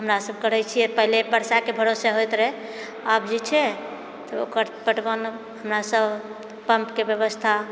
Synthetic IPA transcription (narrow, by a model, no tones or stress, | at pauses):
ɦəmɾasəb̚kəɾɛt͡ʃʰijɛpəɦilepəɾsakebʱəɾoseɦojt̪ɾɛ | abd͡ʒet͡ʃʰɛ | t̪ɔo̰kəɾpəʈbən | ɦəmɾasəbʱ | pəmpkebjəβəst̪ʰa